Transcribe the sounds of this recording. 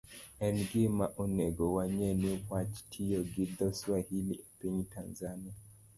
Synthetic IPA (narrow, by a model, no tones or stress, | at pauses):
ɛnɡemaʔunɛɡɔwaɲɛnihwat͡ʃtʰijɔɡid̪ɔswahilḭapiɲitanzania